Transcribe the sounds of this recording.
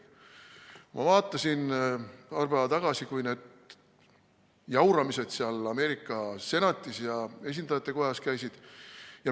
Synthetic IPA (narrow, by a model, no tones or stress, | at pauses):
mʔɑ̰vɑːt̪ːˑɑsinpɑːrpævɑt̪ɑɡ̥ɑsikujne̞ːd̪̥ | jɑwɾɑmise̞d̪̥siɑlɑme̞ːɾikˑːɑse̞nɑt̪ʲːˑisjɑe̞s̬ʲind̪ɑjɑt̪ːˑe̞ko̞jɑskæjsid̪̥jɑ